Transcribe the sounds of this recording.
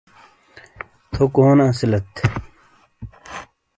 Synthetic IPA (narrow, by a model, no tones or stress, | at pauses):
t̪ʰokoonãsilɐt̪